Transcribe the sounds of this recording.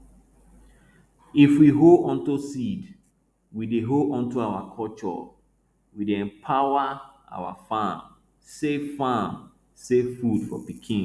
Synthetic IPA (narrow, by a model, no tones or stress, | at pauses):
ifwiɦoɔ̃ntusid | wideɦoʔɔ̃ntuawakʰɔlt͡ʃɔ̰ | wideɛ̃mpʰawaa̰wa̰fãm | sevfãm | sevfudfɔ̰pikʰĩn